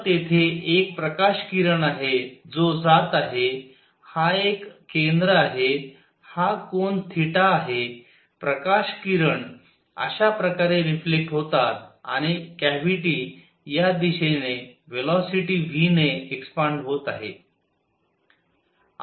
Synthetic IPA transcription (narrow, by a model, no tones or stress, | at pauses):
t̪et̪ʰeːk̚pɾəkaɕkiɾəɳaɦed͡zod͡zat̪aɦe | haekːend̪ɾəaɦe | hakoɳt̪ʰiʈaːɦe | pɾəkaɕkiɾəɳ | ə̰ɕapɾəkaɾeɾiflek̚ʈɦot̪at̪a̰ɽ̃ikæʋiʈiː | jad̪iɕeneʋelɔsiʈiʋineekspaɳɖɦot̪aɦe